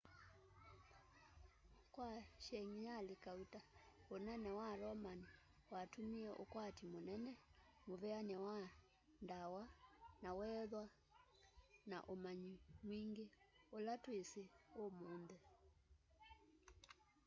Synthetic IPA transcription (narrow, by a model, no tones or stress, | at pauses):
kwaʃɛŋiɲalikautaonɛnɛwaɾɔmani | watomiɛʔokwatimonɛnɛmoβɛanɛwa | ndawanawɛðwa | na̰ʔomaɲimwiŋɡeolatweseomoːndɛ